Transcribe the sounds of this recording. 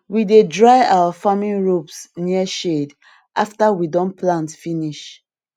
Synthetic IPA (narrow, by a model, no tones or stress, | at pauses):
widedɹajawafamĩnɹopsniəʃed | ʔaftawidɔ̃nplãntfiniʃ